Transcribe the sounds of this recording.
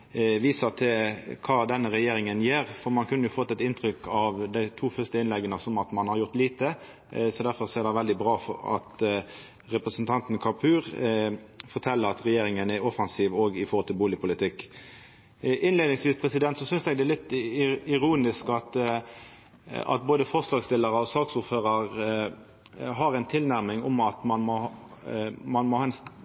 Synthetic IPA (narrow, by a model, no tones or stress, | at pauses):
ʋiːsət̪ʰɪlkʰɑːd̪ɛnːəɾɛjeːɾɪŋənjeːɾfɔɾmɑnkʰʉnːəjʊfɔt̪ːɛt̪ɪnt̪ʰɾʏkʰɑʋd̪æɪt̪ʰuːfœʁst̪əɪnlɛɡːənəsɔmɑt̪mɑnhɑɾjʊɾt̪liːt̪ə | sɔd̪æɾfɔɾseːʁɾdɛɪʋɛld̪ɪbɾɑːfɔ̰ɾɑ̰t̪ | ɾɛpɾəsnt̪ʰɑnt̪nkʰɑpʰʉːʁ | fɔɾt̪ʰɛlːəɾɑt̪ɾɛjeːɾɪŋənæɾɔfɑnsiːʋɔɡɪfɔɾʁhɔlt̪ɪlbuːlɪpʰʊlɪt̪ʰɪkː | ʔɪnleːd̪nɪŋsʋiːspʰʁɛsɪd̪ɛnt̪sɔsʏnsɛɡd̪ɛælɪt̪ːɪɾuːnɪskɑt̪ | ɑ̰t̪̚boːd̪əfɔʁslɑːɡst̪ɪlːəɾəɔsɑːksʊɾføːʁəʁ | ɦɑɾæɪnt̪ʰɪlnæɾmɪŋʊmɑt̪mɑnmɔ | mɑnmɔhɑɛns